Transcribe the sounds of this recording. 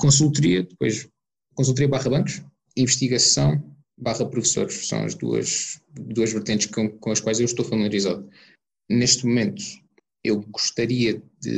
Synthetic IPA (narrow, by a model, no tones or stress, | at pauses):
kõs̬ulˠt̪uɾiɐd̪ɨpo̰jʃ | kõs̬ulˠt̪uɾiɐβaʁɐβɐ̃ŋkuʃ | ĩvɨʃt̪iɣɐsɐ̃w̃ | baʁɐpɾufso̰ɾʃsɐ̰̃w̃ɐ̰ʒd̪ṵɐ̰ʃd̪uɐʒvɨɾt̪ẽnt̪ʃkkõɐʃkwajzewʃt̪ofɐmilˠɐɾizaðu | neʃt̪mumẽnt̪u̥ | ewɣuʃt̪ɐɾiɐd̪ɨ̰